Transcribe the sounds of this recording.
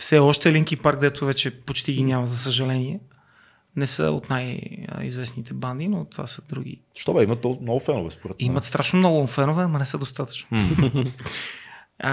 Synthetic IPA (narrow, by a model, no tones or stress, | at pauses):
fsɛɔʃt̪ɛliŋkipaɾk̚d̪ɛt̪ovɛt͡ʃɛpot͡ʃt̪iɡinʲjaməzɐs̬əʒɐlɛniɛ | nɛsə̰o̰t̪naj̰ḭzvɛsnit̪ɛband̪inot̪va̰səd̪ɾuɡ̟ḭ | ʃt̪ɔbɛimət̪ɔmnɔɡʊfɛnʊvɛspoɾɛt̪mimət̪st̪ɾaʃnomnɔɡʊfɛnovɛɐmɐnɛsəd̪ost̪at̪ə̥t͡ʃno